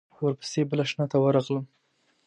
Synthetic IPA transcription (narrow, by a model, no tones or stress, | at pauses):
wəɾpə̥sebəlaʃnɑt̪awəɾɑɣləm